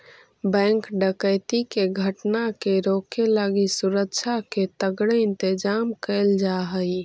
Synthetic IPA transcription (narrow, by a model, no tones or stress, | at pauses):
bɛ̃ŋkɖəkəjt̪ikeɡʱəʈnakeɾokelaɡisuɾəkt͡ʃʰaket̪əɡɽeɪnt̪ed͡ʒamkəɪld͡ʒaɦəj